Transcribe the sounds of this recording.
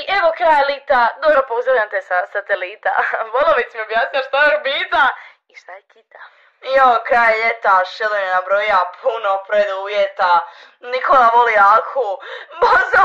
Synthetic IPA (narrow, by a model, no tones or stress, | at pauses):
ʔeʋo̞kɾaːjelit̪ad̪obɾopouzɾaʋʎʲamt̪esasat̪elit̪a̰ʋolˠoʋismiobjaːsnilaʃt̪ajɾobiːt̪a | iʃt̪ajekit̪a | jookɾaːjʎet̪aʃed̪oɲenabɾojapʰunopɾed̪uuːjet̪a | nikʰolaʋoliakuboza